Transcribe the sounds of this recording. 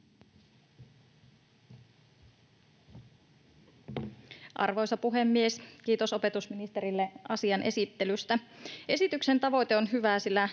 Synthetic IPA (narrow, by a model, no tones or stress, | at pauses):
ʔɑ̰rʋo̞jsɑpuɦe̞mːieskiːt̪o̞so̞pe̞t̪usminist̪eɾilːeʔɑsiɑnʔe̞̰sit̪ːe̞lyst̪æe̞sit̪ykse̞nt̪ɑʋo̞jt̪eonɦyʋæsilːæ